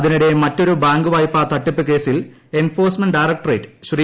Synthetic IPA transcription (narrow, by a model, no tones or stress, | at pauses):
ɐðinuɽe̞mɐtːo̞ɾubaːŋɡɨʋaːjpːaːt̪ɐʈːipːɨke̞ːsil | e̞nfo̞ːrsmɐnɖɐjrɐk̚ʈrejʈːɨ̥ɕri